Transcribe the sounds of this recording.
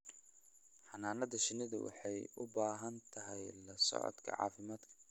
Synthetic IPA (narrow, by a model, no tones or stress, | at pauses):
ħɑnaːnɐðɐʃɪnɪðɐ̰wɑ̰ħɑjʔʊbaːɦɐnt̪ʰɐɦɛjlɐsɔ̰ʕɔ̰d̪kʰɐ̰ʕɑ̰ːfɪmaːd̪kʰɐ̥